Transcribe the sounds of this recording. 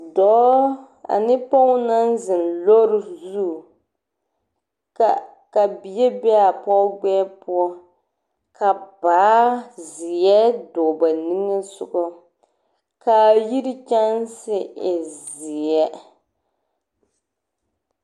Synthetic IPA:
dɔː˨˦ | a̰˨nɪ˦po˦ʊ˦na˦nzɪ˨n˨lo˦ɾɪ˦zu˦˨ | ka˨bi˨˦ɛ˦bɛ˦a˨pɔ˦ɡ͡bɛː˦pu˦ɔ˦ | kʰa˨baː˨˦zɪ˨jɛ˦dɔ˨ba˨ni˦ŋa˦sʊ˨ʔɔ˦ | ka˨ji˦ɾɪ˦t͡ʃa˦n˦sɪ˦ʔɪ˨zɪ˨ɛ˦

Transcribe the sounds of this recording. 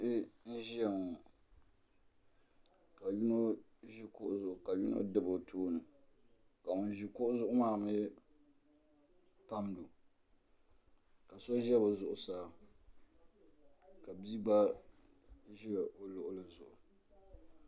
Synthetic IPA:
ɪ˦n̩˦ʒi˦a˨ŋo˨ | ka˨ju˦no˦ʒi˦kʊ˦ʔʊ˦zʊ˦ʔʊ˨ka˨ju˦no̰˦dɨ˦bo˨tʰoː˦nɨ˨ | ka˨mʊ˨nʒi˨kʊ˦ʔʊ˦zʊ˦ʔʊ˦maː˦˨mɨ˦ | pa˦m˦do˨ | ka˨so˦ʒɛ˦bɨ˨zʊ˨ʔʊ˨saː˦ | ka˨bi˦ɡ͡ba˦ | ʒi˦a˨o˦lʊ˨ʔʊ˦lɨ˨zʊ˨ʔʊ˨

